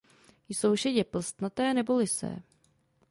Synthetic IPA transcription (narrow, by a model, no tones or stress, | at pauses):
jsowʃɛɟɛpl̩st̪nat̪ɛːnɛbolɪsɛ̰ː